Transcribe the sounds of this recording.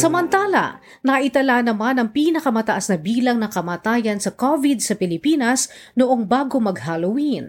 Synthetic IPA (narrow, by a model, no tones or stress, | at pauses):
sɐmɐnt̪aːlɐ̰ | nɐʔɪt̪ɐlanɐmanɐŋpiːnɐkɐmɐt̪ɐʔasnɐbiːlɐŋnɐŋkɐmaːt̪aːjɐnsɐkovid̪̚sɐpɪlɪpiːnɐsnʊʔoŋbaːɡomɐɡ̚halɐwin